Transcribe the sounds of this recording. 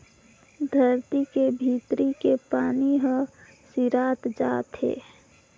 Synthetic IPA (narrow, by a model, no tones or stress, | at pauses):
d̪ʱəɾt̪ikebʱiːt̪ɾikepaːniɦə̃ | siɾaːt̪d͡ʒaːt̪ɦḛː